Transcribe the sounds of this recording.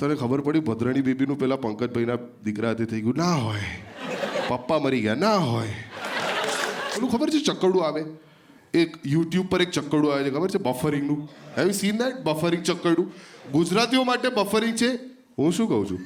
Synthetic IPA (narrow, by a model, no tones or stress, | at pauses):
t̪ənekʰəbəɾpəɽjubəd̪ʱɾəɽ̃ibebinũpɛɦlapəŋkəd͡ʒbʱəjna | d̪ikɾaət̪ʰet̪ʰəiɡjũnaɦoj | papːaməɾiɡəjanaɦoj | elũkʰəbəɾt͡ʃʰet͡ʃəkːəɽũaʋe | ekjuʈjub̚pəɾek̚t͡ʃəkːəɽũaʋet͡ʃʰekʰəbəɾt͡ʃʰebəfəɾɪŋɡnũɦɛʋisind̪aʈ̚bəfəɾɪŋɡ̚t͡ʃəkːəɽũɡud͡ʒɾat̪iomaʈebəfəɾɪŋɡ̚t͡ʃʰe | ɦũʃũkəɦũt͡ʃʰṵ̃